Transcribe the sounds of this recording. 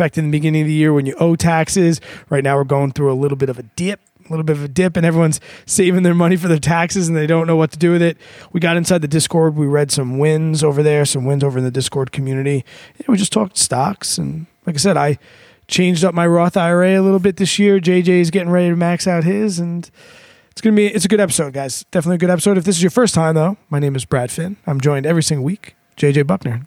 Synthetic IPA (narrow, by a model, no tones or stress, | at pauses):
æk̚tɨ̃nðɨbɨɡɪ̃nɪ̃ŋʌvðɨjɪɹwɨ̃njɨʔoʊtʰæksɪzɹaɪtⁿnaʊwə˞ɹɡoʊɪ̃ŋθɹuəlɪɾl̩ˠbɪɾʌvɨdɪp̚əlɪɾl̩ˠbɪɾʌvɨdɪpɨ̃ñɛvɹiwʌ̃nz̥seɪvɪ̃ŋðə˞mʌñifə˞ðə˞tʰæksɨzn̩ðeɪɾõʊ̃nːoʊwʌtʰɨdɨwɨðɪt̚wiɡɑɾɨ̃nsaɪd̪̚ðɨdɪskʰɔɹd̚wiɹɛd̥sʌ̃mwɪ̃nzoʊvə˞ðə˞sʌ̃mwɪ̃nzoʊvə˞ɨ̃nðɨdɪskʰɔɹd̚kʰm̩jʉnɨɾijæwid͡ʒʌstʰɔk̚tʰstɑksɨ̃nlaɪk̬aɪsɛɾaɪ | t͡ʃʰẽɪ̃nd͡ʒdʌp̚maɪɹɔθaɪə˞eɪɨlɪɾl̩ˠbɪt̪̚ðɪsjɪɹd͡ʒeɪd͡ʒeɪzɡɛɾɪ̃ŋɹɛɾiɾɨmæksaʊt̚hɪzɨ̃n | tsɡ̥ʌnəbiɨtsɨɡʊɾɛpə̥soʊd̚ɡaɪz̥d̥ɛfənətliɨɡʊɾɛpəsoʊɾɨfðɪsɨzjə˞fɜ˞stʰãɪ̃mðoʊmaɪnẽɪ̃mɨzbɹæd̥fɪ̃nãɪ̃md͡ʒɔ̃ɪ̃ndɛvɹisɪ̃ŋɡl̩ˠwik | d̥ʒ̥eɪd͡ʒeɪbʌk̚nə˞